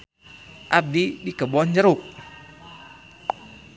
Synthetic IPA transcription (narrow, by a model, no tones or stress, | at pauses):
ʔab̚didikəbɔnd͡ʒəɾuk̚